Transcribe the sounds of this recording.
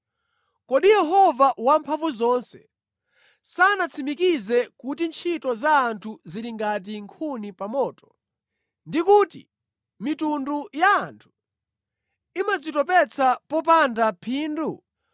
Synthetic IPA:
kɔɗijɛɦɔvawampʰaɱvuzɔnsɛ̰ | saːnat͡sʰimikizɛkutint͡ʃʰitɔzaːntʰuziɾiŋɡat̬iŋkʰunipamɔːtɔ̥ | ndikuːtḭ | mitundujaːntʰu̥ | imad͡zitɔpɛt͡sʰapɔpandapʰiːndu

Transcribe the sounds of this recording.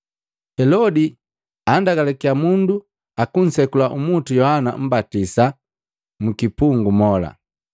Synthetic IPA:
hɛlɔdi | andaɡalɛkiamundu | akun̩sɛkulaʔumutujɔhana̰m̩batisa | mukipuŋɡumɔla̰

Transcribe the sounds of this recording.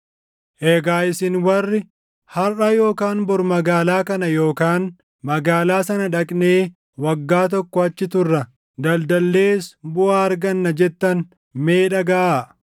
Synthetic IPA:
ʔeːɡaːɪsɪnwɐrːɪ | hɐrːaːjo̞ːkaːnbɔɾmɐɡaːlaːkɐnɐjo̞ːkaːn | mɐɡaːlaːsɐnɐᶑɐkʼne̞ː | wɐɡːaːt̪̬ɔkːɔɐt͡ʃːɪt̪ʊrːɐ | d̪ɐld̪ɐlːe̞ːsbʊʔaːɐɾɡɐnːɐd͡ʒɛt̪ːɐn | meːᶑɐɡaː

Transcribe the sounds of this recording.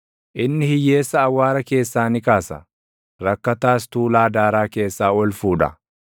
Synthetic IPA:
ʔɪnːɪhɪjːe̞ːsːɐːwːaːɾɐke̞ːsːaːnɪkaːsɐ̰ | ɾɐkːɐt̪aːst̪uːlaːd̪aːɾaːke̞ːsːaːɔlfuːᶑɐ̰

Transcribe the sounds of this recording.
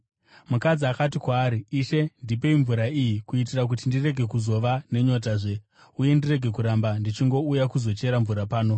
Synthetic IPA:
mukad͡ziakatikwaːɾiiʃe̞ndipe̞iɱvuɾaijikuitirak̬utindire̞ɡʱe̞kuzo̞ʋane̞ɲo̞t̬aʐe̞ | uje̞ndire̞ɡʱe̞kuɾambandit͡ʃiŋɡo̞ujakuzo̞t͡ʃe̞ɾaɱvuɾapaːno

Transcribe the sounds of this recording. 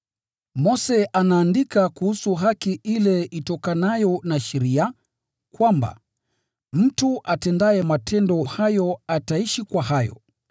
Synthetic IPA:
mɔsɛʔanaːndikakuhusuɦakiʔilɛitɔkanajɔnaʃɛɾia | kwamba̰ | m̩tuʔatɛndaɛmatʰɛndɔhajɔataiʃikwaɦajɔ̰

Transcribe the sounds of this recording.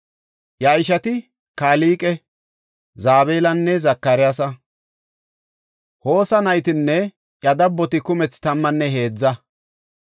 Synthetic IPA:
jɐjɪʃɐt̪ɪ | kaːliːkʼɛ | zaːbe̞ːlɐnːɛzɐkːɐɾɪjas̬ɐ | ho̞ːsɐnɐjt̪ɪnːɛ | jɐd̪ɐbːɔt̪ɪkʊmɛt͡st̪ɐmːɐnːɛɦe̞ːd͡zːɐ

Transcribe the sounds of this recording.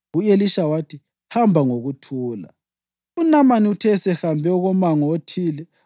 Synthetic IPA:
ujeliʃawatʰi | hambʱaŋoɣutʰuːla̰ | unamaniutʰɛsɛhambʱɛɔɣɔmaŋɔotʰiːlɛ

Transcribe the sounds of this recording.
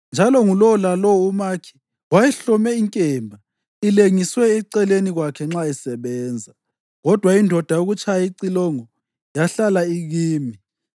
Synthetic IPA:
nd͡ʒʱalɔŋulɔlalɔumakʰi̥ | wajɛɬɔmɛiŋkʼɛmbʱa | ileŋiswɛɛǀɛleniɣwakʰɛŋ͡ǁaisɛβɛːnd͡zʱa | ɣɔd̥ʱwaindʱɔd̥ʱajoɣut͡ʃʰʼajaiǀilɔŋɔ | jaɬalaiɣiːmi

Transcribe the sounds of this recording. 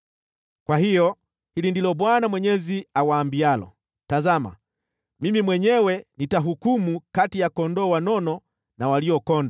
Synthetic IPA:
kwahijɔ | hilindilɔɓwanamwɛɲɛziawaːmbialɔ̰ | tazama̰ | mimimwɛɲɛwɛnitaɦukumukatijakɔndɔwanɔnɔ | nawaliɔkɔnda

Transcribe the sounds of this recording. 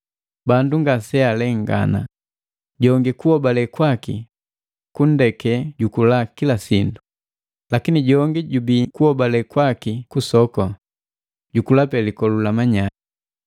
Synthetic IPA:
banduŋɡasɛalɛŋɡa̰na̰ | ɟɔŋɡikuɔbalɛkwaki | kun̩dɛkɛɟukulakilasindu | lakiniɟɔŋɡiɟubikuhɔbalɛkwakikusɔkɔ | ɟukulapɛlikɔlulamaɲai

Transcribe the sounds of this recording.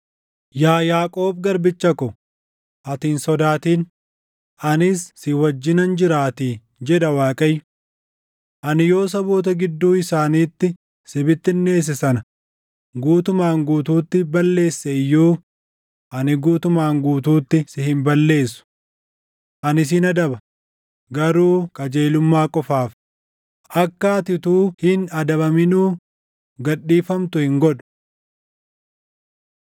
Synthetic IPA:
jaːjaːkʼo̞ːb̚ɡɐɾbɪt͡ʃːɐkɔ | ʔɐt̪iːnsɔd̪aːt̪iːn | ʔɐnɪsːɪwɐd͡ʒːɪnɐnd͡ʒɪɾaːt̪iː | d͡ʒɛᶑ̪ɐwaːkʼɐjːʊ | ʔɐnɪjo̞ːsɐboːt̪̬ɐɡɪd̪ːuːɪsaːniːt̪ːɪ | sɪbɪt̪ːɪnːe̞ːs̬ɪsɐnɐ | ɡuːt̪ʊmaːŋɡuːt̪uːt̪ːɪbɐlːe̞ːsːɛjːuː | ʔɐnɪɡuːt̪ʊmaːŋɡuːt̪̬uːt̪ːɪsɪhɪmbɐlːe̞ːsːʊ̥ | ʔɐnɪs̬ɪnɐd̪ɐbɐ | ɡɐɾuːkʼɐd͡ʒe̞ːlʊmːaːkʼɔfaːf | ʔɐkːaːt̪ɪt̪uːhɪnɐd̪ɐbɐmɪnuː | ɡɐɗːiːfɐmt̪ʊhɪŋɡɔᶑʊ̥

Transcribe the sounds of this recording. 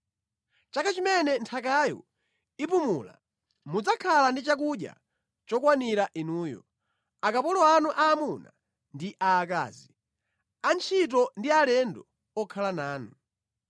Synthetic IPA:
t͡ʃakat͡ʃimɛnɛntʰakajɔ̰ | ipumṵːla̰ | mud͡zakʰalandit͡ʃak̬uɗja̰ | t͡ʃɔkwaniɾaʔinuːjɔ̰ | akapɔlɔanuʔaːmuna | ndiʔaːka̰ːzi | ant͡ʃʰit̬ɔndialɛndɔ | ɔkʰalanaːnu

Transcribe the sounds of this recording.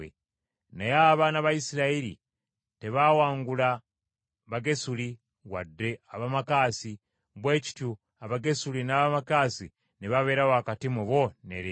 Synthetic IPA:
ḛ | najaβaːnaβaisiɾaeɾḭ | teβawaːŋɡula | βaɡe̞suli | wa̰dːeaβamakaːsi | βwe̞ːci̥tju | aβaɡe̞sulinaβamakasi | neβaβe̞ːɾawoakatimuβonḛɾe

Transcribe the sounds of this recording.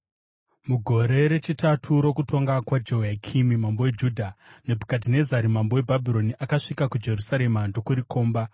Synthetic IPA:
muɡʱo̞ɾe̞ɾe̞t͡ʃitatʰuɾo̞kuto̞ŋɡakwad͡ʒeakʰimimambo̞we̞d͡ʒuːdʱane̞bʱukat̬ine̞zaɾimambo̞webʱabʱiɾo̞niʔakaʂikakud͡ʒe̞rusaɾe̞mando̞kuɾiko̞ːmba

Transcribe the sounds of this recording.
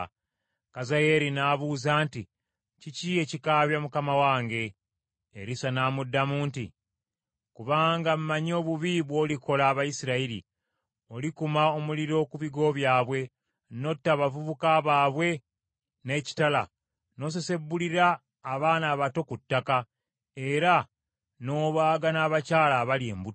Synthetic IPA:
kazaje̞ɾinaːβuzaːnti | cicie̞cikaːβjamukamawaːŋɡe̞ː | ɾisanaːmudːamuːntḭ | kuβaːŋɡamumaɲo̞ːβuβiβwo̞liko̞laːβajisiɾaiɾḭ | o̞likumaomuliɾo̞kuβiɡo̞βjaːβwe̞ | no̞tːaβavuβukaːβaːβwe̞ | ne̞ːci̥tala̰ | no̞s̬ese̞bːuliɾaː | βaːnaːβato̞kutːaka | e̞ɾa | no̞ːβaːɡanaːβacaːlaβalie̞̰ːmbu

